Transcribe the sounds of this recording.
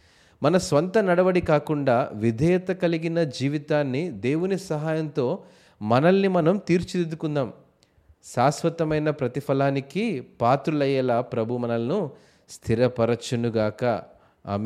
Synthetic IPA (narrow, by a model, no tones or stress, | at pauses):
mɐnɐsʋɐnt̪ɐnɐɽɐʋɐɽikaːkuɳɖaːʋid̪ʱɐjɐt̪ɐkɐliɡinɐd͡ʒiːʋit̪aːnːid̪e̞ːwunisɐɦaːjɐnt̪o̞ː | mɐnɐlːimɐnɐmt̪iːɾt͡ʃid̪ed̪ukund̪aːm | saːsʋɐt̪ɐmɐjnɐpɾɐt̪ipʰɐlaːnikipaːt̪ɾulɐjɐlaːpɾɐbʱumɐnɐlɐnu | st̪ʰiɾɐpɐɾɐt͡ʃːɐnuɡaːkɐ̰ | ɐ̰m